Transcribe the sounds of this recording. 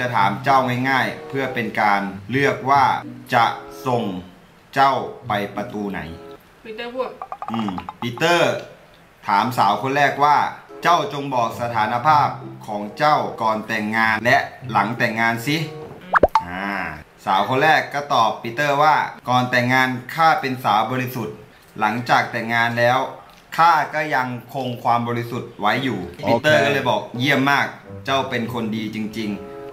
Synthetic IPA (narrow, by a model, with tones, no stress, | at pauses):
t͡ɕa˧˨t̪ʰaː˩˦mt͡ɕa˥˩wŋa˥˩jŋaː˥˩jpʰɯ˥˩ɐpe˧nkaː˧nlɯ˥˩ək̚waː˥˩t͡ɕa˧so˨˧ŋ | t͡ɕa˥˩wpa˧jpa˧t̪uː˧na̰˩˦j | ʔɯː˧˩mpi˧˥t̪ɤː˥˩ | t̪ʰaː˩˦msaː˩˦wkʰo˧nlɛː˥˩k̚waː˥˩t͡ɕa˥˩wt͡ɕo˧ŋbɔː˨˩k̚sa˧t̪ʰaː˩˦na˧pʰaː˥˩p̚kʰɔː˩˦ŋt͡ɕa˥˩wkɔː˧nt̪ɛː˨˩ŋːaː˧nlɛ˦˥ʔla˩˦ŋt̪ɛː˨˩ŋːaː˧nsi˦˥ | ʔaː˧˩ | sa̰ː˩˦wkʰo˧nɾɛː˥˩kːɔ˥˩t̪ɔː˨˩pːi˧t̪ɤː˥˩waː˥˩kɔː˨nt̪ɛː˨˩ŋːaː˧nkʰaː˥˩pe˧nsaː˩˦wbɔː˧li˧su˨˩t̪̚ | la˩˦ŋt͡ɕaː˨˩k̚t̪ɛː˨˩ŋːaː˧nlɛː˦˥w | kʰaː˥˩kɔː˥˩ja˧ŋkʰo˧ŋkʰwaː˧mbɔː˧ɾi˧su˨˩t̪̚wa˦˥jːuː˨˩pi˧t̪ːɤː˥˩kɔː˥˩lɤː˧jbɔː˨˩k̚ji˥˩əmːaː˥˩k̚t͡ɕa˥˩wpe˧nkʰo˧ndiː˧t͡ɕi˧ŋt͡ɕi˧ŋ